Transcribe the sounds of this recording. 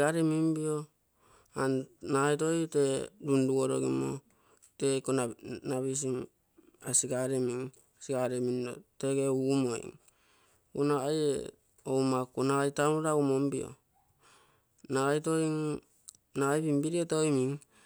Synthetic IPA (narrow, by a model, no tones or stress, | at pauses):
aɾemimbio | annaajtoiteɾunduoɾo̰ɡimo̰ | tekonanaβis̬im | asiɡaɾemiŋ | siɡaɾemindo̰teɡeumoḭŋ | kunaajḛ | oumakunaajtanuɾaumombio̰ | naajtoɾiŋ | naajbimbiɾietojmiŋ